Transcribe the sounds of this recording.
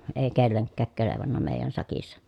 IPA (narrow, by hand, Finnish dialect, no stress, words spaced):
eˑi kelːeŋkːæːk keleʋɑnːɑ meˑi̯jæn sɑkisːɑ